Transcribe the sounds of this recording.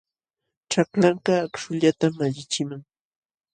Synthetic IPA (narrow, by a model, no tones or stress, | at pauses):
ʈ͡ʂaklaɴkaːkʃʊʎat̪amaʎɪt͡ʃɪmaŋ